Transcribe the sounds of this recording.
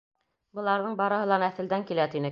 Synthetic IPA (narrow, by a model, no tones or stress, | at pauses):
bɤ̆lˠɑɾðɤɴbɑɾɤ̆ɦɤ̆lˠɑnæθɘ̆ld̪æŋkilæt̪inɘ